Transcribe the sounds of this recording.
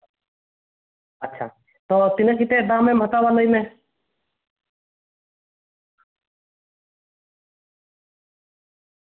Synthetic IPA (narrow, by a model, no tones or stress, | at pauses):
ətːʃʰa̰ | t̪ɔːt̪inəkit̪ed̪ãːmːẽmət̪awaləimẽ